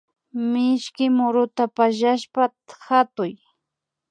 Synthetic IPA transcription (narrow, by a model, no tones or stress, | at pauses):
mɪʃkɪmʊɾʊt̪apaʃaʃpa | xat̪ʊj